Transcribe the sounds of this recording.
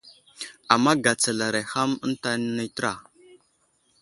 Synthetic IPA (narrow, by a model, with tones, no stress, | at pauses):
a˨mːa˦ɡa˨t͡sa˨la˨ɾa˨ha˦mə˦n˦ta˦ni˦˨tə˦ɾa˨